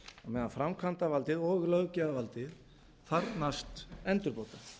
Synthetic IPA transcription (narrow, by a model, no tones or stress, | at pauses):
amɛːðanfɾamkʰvant̪avalt̪ɪðɔːɣlœɣcaðavalt̪ɪð | θaɾnast̪ɛnt̪ʏɾpoːwt̪a